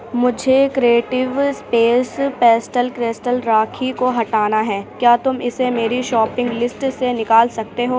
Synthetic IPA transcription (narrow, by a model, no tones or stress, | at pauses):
mʊd͡ʒʱekɾeːʈɪʋspeːspɛːsʈəlkɾɪsʈəlɾaːkʰikoɦɐʈaːnaɦɛːkjaːt̪ʊmɪsemeːɾiʃɔːpɪ̃ŋɡlɪsʈsenɪkaːlsɐk̚t̪eɦoː